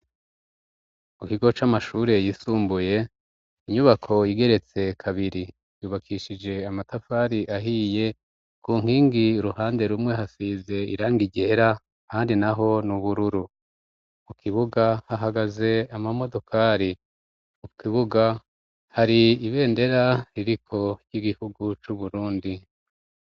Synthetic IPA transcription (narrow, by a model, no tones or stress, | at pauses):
mukiɡo̞t͡ʃamaʃuːɾe̞jisuːmbuje̞ | iɲuβakʰo̞jiɡe̞ɾe̞t͡se̞kʰaβiɾi | juːβakʰiʃid͡ʒe̞amatafaːɾiʔaɦiːje̞ | kuːŋ̥iːŋɡiɾuhaːnde̞ɾumŋe̞ɦasize̞ḭɾaːŋɡiɟeɾa | kaːndinaɦo̞nuβuɾuɾu | mukʰiβuɡahaɦaɡaze̞amamo̞do̞kʰaːɾi | ukiβuɡa | haɾiiβe̞ːnde̞ɾaɾiɾikʰo̞ɾjiɡihuɡut͡ʃuβuɾuːndi